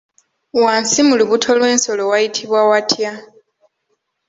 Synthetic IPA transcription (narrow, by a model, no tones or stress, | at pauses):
waːnsimuliβutʰo̞lwe̞ːnso̞lo̞wajitʰiβwawatʰja